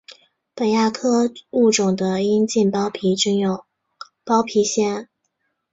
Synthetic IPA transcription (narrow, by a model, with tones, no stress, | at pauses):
pə˨˩nja˥˩kʰɤ˥u˥˩ʈ͡ʂʊ˨˩ŋd̪ə˦i˥nt͡ɕi˥˩npɑ˥pʰi˧˥ʈ͡ʂy˥˧ŋjo˥˨˩ | pɑ˥ʊpʰi˧˥ɕjɛ˥˩n